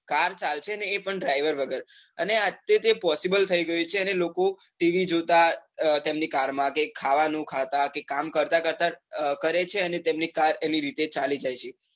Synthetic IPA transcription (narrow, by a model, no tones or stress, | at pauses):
kaɾt͡ʃalt͡ʃʰeəneːpəɳɖɾaiʋəɾʋəɡəɾəneat̪et̪epɔsibəlt̪ʰəiɡəjut͡ʃʰeənelokoʈiʋid͡ʒot̪at̪emnikaɾmãkekʰaʋanũkʰat̪akekamkəɾt̪akəɾt̪akəɾet͡ʃʰeənet̪emnikaɾeniɾit̪et͡ʃalid͡ʒajt͡ʃʰe